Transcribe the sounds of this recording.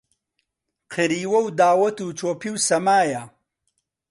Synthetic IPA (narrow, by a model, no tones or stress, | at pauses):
qʰɨɾiːwɐwd̪aːwɐt̪uːt͡ʃʰoːpʰiwsɐmaːjɐ